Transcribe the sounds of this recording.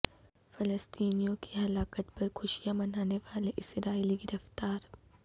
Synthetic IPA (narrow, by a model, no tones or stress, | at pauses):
fɐləst̪iːnijõkiɦɐlaːkət̪pɐɾxʊʃijamɐnaːneʋaːleʔɪsɾaːiːliɡɪɾəft̪aːɾ